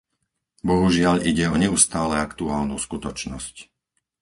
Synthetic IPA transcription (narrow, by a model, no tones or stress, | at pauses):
bɔɦuʒɪaʎiɟɛɔɲɛust̪aːlɛakt̪uaːlnṵskut̪ɔt͡ʃnɔsc